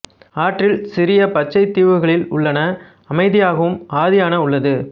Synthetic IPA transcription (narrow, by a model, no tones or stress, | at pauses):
aːʈrɪlsɪɾɪjɐpɐt͡ʃːɐɪt̪ːiːʋɯɣɐɭɪlʊ̰ɭːɐnɐ | ɐmɐɪðɪjaːɣɐʋɯmaːðɪjaːnɐʊɭːɐðɯ